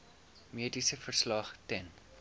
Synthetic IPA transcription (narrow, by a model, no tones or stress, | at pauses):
miədisəfərslɐχtɛn